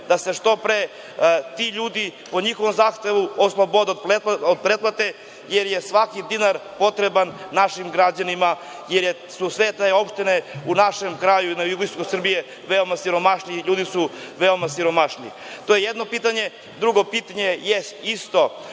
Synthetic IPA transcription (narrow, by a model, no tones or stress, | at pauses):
d̪aseʃt̪o̞pɾe | t̪iʎuːd̪ipo̞ɲixo̞ʋo̞mzaːxt̪eʋuoslˠobo̞d̪d̪peod̪̚pɾet̪plat̪e | jeɾjesʋakid̪inaɾpo̞t̪ɾebanːaʃimɡɾad͡ʑanima | jeɾje | susʋet̪eo̞pʃt̪ineunaʃemkɾajuinajublisokosr̩bije | ʋeomasiɾo̞maʃniʎuːd̪isuʋeo̞masiɾo̞maʃnḭ | t̪o̞jejed̪no̞piːt̪aɲe | d̪ɾuɡo̞piːt̪aɲejest̪ist̪o̞